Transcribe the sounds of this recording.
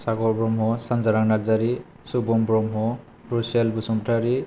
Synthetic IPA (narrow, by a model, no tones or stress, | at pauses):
saɡɔɾbɾɔmɦɔsanzaɾaŋnaɡzaɾi | subɔmbɾɔmɦɔ | bɾuselbusɔmbʈʰaɾi